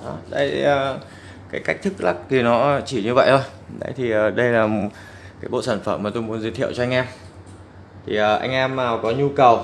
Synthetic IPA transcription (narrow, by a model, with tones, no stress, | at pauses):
ɗɔ˨˦ɗə˧˨˦jəː˨˩ | kaː˨˦jka˦˥jk̚t̪ʰɨ˦˥k̚la˦˥k̚ki˨˩nɔ˨˦˧t͡ɕi˧˩ɲɨ˧və̰˧˨jt̪ʰo˧j | ɗə̰˨˦jt̪ʰi˨˩ʔəː˨˩ɗə˧jlaː˨˩ | kaː˨˦jɓo̰˧˨saː˧˩nfə˧˩mːaː˨˩t̪o˧jmu˨˦nzi˨˦t̪ʰḭ˧˨əwt͡ɕɔ˧ʔa˧ŋ̟ʔɛ˧m | t̪ʰi˨˩ʔəː˨˩ʔa̰˧jŋ̟ʔɛ˧mːaː˨˩wkɔ˨˦ɲu˧kə˨˩w